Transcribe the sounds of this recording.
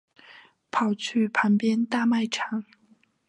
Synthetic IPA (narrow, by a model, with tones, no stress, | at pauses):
pʰɑ˨˩ʊt͡ɕʰy˥˩pʰa˧˥npjɛ˥nt̪a˥˧ma˥˩ɪʈ͡ʂʰɑ˨˧˥ŋ